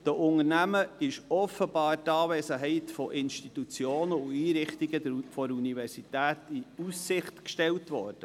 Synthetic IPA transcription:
d̥əʔʊŋəɾnæməɪʃɔfəbɑːrtɑːvesəɦɛɪtfɔʔɪnʃtit̪ut͡sjoːnəuiːɾɪχt̪iɡəfɔɾunivɛɾsit̪æːtiusːɪχtkʃtɛltʋɔ̰ːɾd̥ə

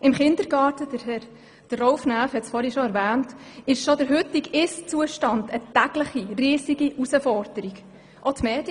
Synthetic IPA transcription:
ɪmχɪnd̪əɾɡɑːtəd̥əɾhɛɾ | d̥əɔʊfnæːfhɛtsfɔːɾiʃoæɾvæːntɪʃʃod̥əɾɦʏt̪iɡɪst͡suəʃtɑndətæɡ̥ləχiriːsiɡiʔusəfɔɾd̥əɾiɡ | ʔot̪meːd̥jə

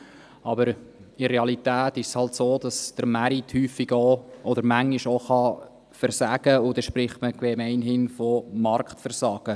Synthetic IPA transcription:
ɑbəɾ | ɪɾeɑlitæːtɪʃshɑltsoːd̥ɑsd̥əɾmæɾithyːfɪɡoʔɔd̪əɾmæŋːiʃoχɑ | fəɾsæɡ̥əʊdɛʃpɾɪχtməkʋɛmɛɪnhɪnfɔmɑrktfəɾsɑːɡ̥ə

